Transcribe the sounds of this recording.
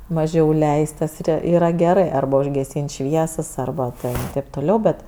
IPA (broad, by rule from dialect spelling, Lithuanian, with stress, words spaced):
mɐˈʒʲɛʊ ˈlʲɛɪst tɐs ˈiːrɐ iːˈrɐ ɡʲɛˈrɜ ˈɐrbɐ ʊʒʲɡʲɛˈsʲiːnʲtʲ ˈʃʲʋʲiɛsɐs ˈɐrbɐ tʲɛn tɐɪp toːˈlʲɛʊ ˈbʲɛt